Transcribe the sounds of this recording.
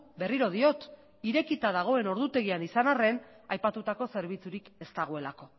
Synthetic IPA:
be̞riɾo̞ð̞io̞t̪ | iɾe̞kit̪að̞aɣ̞o̞e̞no̞ɾðut̪e̞ɣ̞ianisanare̞n | ajpat̪ut̪ako̞se̞ɾβit͡suɾike̞st̪aɣ̞oe̞lako̞

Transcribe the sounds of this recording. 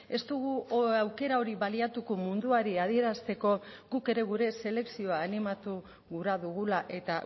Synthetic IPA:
e̞st̪uɣ̞uawke̞ɾao̞ɾiβaliat̪uko̞mund̪uaɾiað̞ie̞ɾast̪e̞ko̞ | ɡuke̞ɾe̞ɣ̞uɾe̞se̞le̞ksio̞aːnimat̪u | ɣuɾaðuɣulaʔe̞t̪a

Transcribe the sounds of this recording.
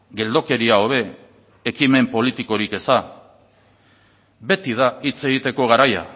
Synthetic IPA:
ɡe̞ld̪o̞ke̞ɾiao̞βe̞ː | kime̞mpo̞lit̪iko̞ɾike̞sa | be̞t̪ið̞ait͡se̞ɣ̞it̪e̞ko̞ɣaɾaja̰

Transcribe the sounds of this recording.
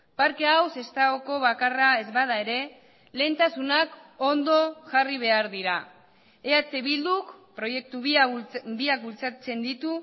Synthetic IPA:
paɾkeawse̞st̪aɣoko̞β̞akarae̞zβað̞ae̞ɾe̞ | le̞ːnt̪asunako̞nd̪o̞ʝariβe̞aɾðiɾa | eat͡se̞βild̪ukpɾo̞je̞k̚t̪uβbiak̚bult͡sat͡se̞nd̪it̪u

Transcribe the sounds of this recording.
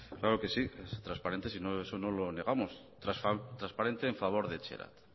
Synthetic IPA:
klaɾoke̞siest̪ɾaspaɾe̞nt̪e̞sinoe̞sono̞lo̞ne̞ɣ̞amos | t̪ɾat̪ɾaspaɾe̞nt̪e̞ːɱfaβ̞o̞ɾðet͡ʃḛɾa̰t̪

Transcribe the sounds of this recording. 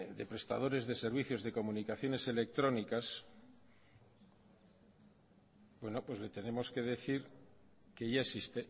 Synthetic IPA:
d̪e̞pɾe̞st̪a̰ð̞o̞ɾe̞zðe̞se̞ɾβ̞iθjo̞zðe̞ko̞munikaθjo̞ne̞se̞le̞k̚t̪ɾo̞nikas | bwe̞no̞pwe̞zle̞t̪e̞ne̞mo̞ske̞ð̞e̞θiɾ | ke̞ʝaesist̪e

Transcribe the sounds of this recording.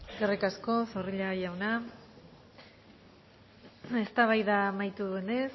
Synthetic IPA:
ɡerekasko̞soriʎajawna | e̞st̪aβajðamajt̪uðuene̞s

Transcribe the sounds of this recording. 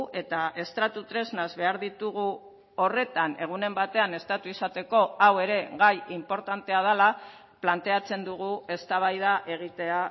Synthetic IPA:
ʔe̞t̪ae̞st̪ɾat̪ut̪ɾe̞znazβe̞aɾðit̪uɣ̞u | o̞re̞t̪ane̞̰ɣ̞une̞mbat̪e̞ane̞st̪at̪uisat̪e̞ko̞awe̞ɾe̞ɣajimpo̞ɾt̪ant̪e̞að̞ala | plant̪e̞at͡se̞nd̪uɣ̞ue̞st̪aβ̞ajðaʔe̞ɣ̞it̪e̞a

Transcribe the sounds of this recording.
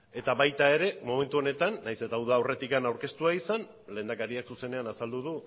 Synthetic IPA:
e̞t̪aβajt̪ae̞ɾe̞mo̞me̞nt̪uo̞ne̞t̪anːajse̞t̪awðawre̞t̪ikanawɾke̞st̪uaisan | le̞ːnd̪akaɾiaksuse̞ne̞anasald̪uð̞u

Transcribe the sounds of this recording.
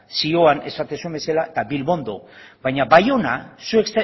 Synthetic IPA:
sio̞ane̞̰sat̪esue̞mbe̞salaet̪aβilβo̞nd̪o̞βajɲabajo̞na̰sue̞ksa

